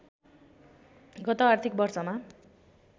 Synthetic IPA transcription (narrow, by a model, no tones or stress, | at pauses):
ɡʌt̪oart̪ʰik̚bʌrt͡sʌma